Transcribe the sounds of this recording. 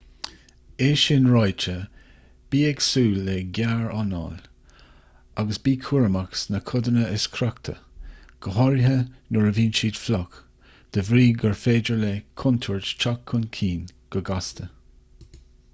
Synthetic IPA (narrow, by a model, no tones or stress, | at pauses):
eːʃɪnɹajt͡ʃə | b̥iːɛɡsuːlːɛɡʲaɹanɑ̰l | aɡəsbiːkʰuɹəmaksnəkʰʊd̪ənəɪskʰɾakt̪ʰə̰ɡ̥əɦɔɹɦənʊɹəviːnt͡ʃiːd̪flɔk | d̪̥əvɾiːɡəɹfeːd͡ʒəɹlekʰʊnt̪ʰʊɹt͡ʃt͡ʃakʰːʊnkʰiːnɡ̥əɡast̪ə